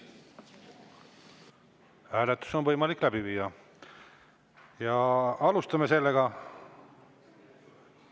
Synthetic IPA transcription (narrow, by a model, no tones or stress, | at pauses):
hæːlet̪ːˑu̥so̞nvɤ̞jmɑlikːˑlæb̥iviːjːɑ | jɑɑlust̪ɑme̞se̞lːeɡ̥ɑ